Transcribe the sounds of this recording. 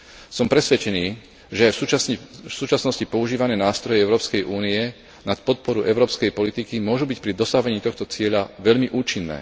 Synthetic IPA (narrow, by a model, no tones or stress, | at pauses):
sɔmpɾɛsʋɛt͡ʃɛniː | ʒɛajusuːt͡ʃasnɔscipɔuʒiːʋanɛːnaːst̪ɾɔjɛɛʊɾɔːpskɛjʔuːniɛ | nat̪̚pɔt̪̚pɔɾuʔɛʊɾɔːpskɛjpɔlit̪ikimʊɔʒubic̚pɾid̪ɔsaɦʋɛɲiːt̪ɔxt̪ɔt͡sɪɛʎaʋɛʎmiʔuːt͡ʃinːɛ̰ː